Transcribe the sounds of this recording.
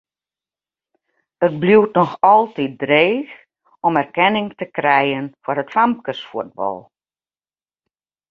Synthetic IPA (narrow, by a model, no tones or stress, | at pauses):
ət̚bluwtnɔxɔlˠtit̚dreːx | ɔmɛrkɛnɪŋtəkrɛjənfərətfamp̚kəsfuəd̚bɔ̰lˠ